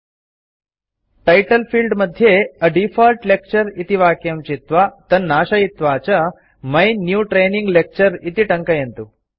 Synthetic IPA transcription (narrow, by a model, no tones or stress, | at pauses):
ʈɐjʈəlfiːlɖməd̪ʱːjeəɖifalʈlek̚t͡ɕəɾit̪iʋakjɐmt͡ɕit̪ʋat̪ənnːaːɕɐit̪ʋat͡ɕə | məjnjuːʈɾeniŋɡlek̚t͡ɕəɾit̪iːʈəŋkəjent̪uː